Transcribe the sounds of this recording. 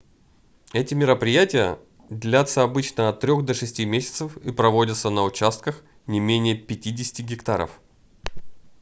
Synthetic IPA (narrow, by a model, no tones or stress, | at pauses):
ɛtʲɪmʲɪɾəpɾʲɪjætʲɪjə̰ | d̪ʲlʲat̪səɐbɨt͡ɕnəɐt̪ːɾʲoxd̪ɐʂɨsʲtʲimʲesʲɪ̥t̪səfipɾɐvo̞dʲət̪sənəʊt͡ɕast̪̚kəx | nʲɪmʲenʲɪjəpʲɪtʲidʲɪsʲɪ̥tʲɪɡʲɪkt̪aɾə̰f